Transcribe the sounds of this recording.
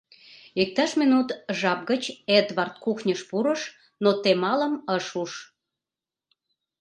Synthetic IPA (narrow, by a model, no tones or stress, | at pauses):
ik̚t̪ɑʃminut̪ʒɑp̚ɡət͡ɕed̪βɑrt̪̚kuxnʲəʃpuɾəʃ | not̪emɑləməʃuʃ